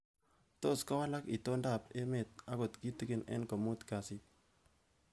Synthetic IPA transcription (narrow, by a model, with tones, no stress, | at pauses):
to˦˨ska˦wa˦la˦ki˨to˦nda˦˨pe˦me˨t̪̚a˦ɡo˨t̪ki˦ti˦ki˦nḛ˦nko˨mu˦t̪ka˨si˦